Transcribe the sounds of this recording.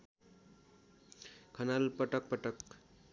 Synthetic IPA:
kʰʌnalpʌʈʌk̚pʌʈʌk

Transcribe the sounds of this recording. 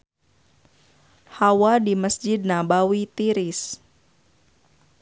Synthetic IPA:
hawadiməsd͡ʒɪd̚nabawit̪iɾɪs

